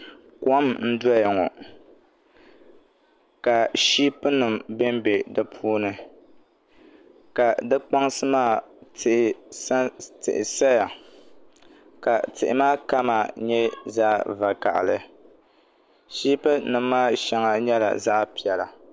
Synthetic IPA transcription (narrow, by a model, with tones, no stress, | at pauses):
kɔ˦mn̩˦dɔ˦ja˨ŋɔ˨ | ka˨ʃi˦pɨ˦nɨ˨mbɛ˦mbe˨dɨ˦pʰuː˦nɨ˦ | ka˨dɨ˦k͡pa˦ŋsɨ˦maː˦˨tʰɨ˨ʔɪ˨˦ | tɨ̰˨ʔɪ˨sa˦ja˨ | ka˨tɨ˨ʔɪ˨maː˦ka˦ma˨ɲɛ˦za̰˦va˨ka̰˨ʔlɨ˨ | ʃiː˦pɨ˦nɨ˨mː˦aː˦ʃɛ˦ŋa˨ɲɛ˦la̰˨za˦ʔpi˨ɛ˨la˨